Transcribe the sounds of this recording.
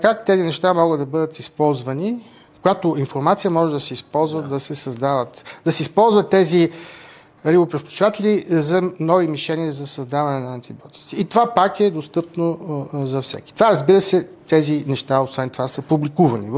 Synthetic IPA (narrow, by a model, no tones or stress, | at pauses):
kakt̪ɛzinɛʃt̪amɔɡəd̪d̪ɐbɤd̪ət̪ispɔlˠzvəni | kojat̪oinfoɾmat̪sijəmɔʒɛd̪ɐsɛispɔlˠzvəd̪ɐsɛsɐzd̪avət̪d̪ɐsɛispɔlˠzvət̪ːɛzi | ɾibopɾɛfkʲʊ̥t͡ʃivat̪ɛlʲizɐnɔvimiʃɛniəzɐsɐzd̪avɐnɛnɐːnt̪ibjɔt̪i̥t̪siit̪ovapakɛd̪ost̪ɤpnozɐfsɛ̰ki̥t̪ovaɾɐzbiɾəsɛt̪ɛzinɛʃt̪aosvɛnt̪ovasəpublikuvɐniv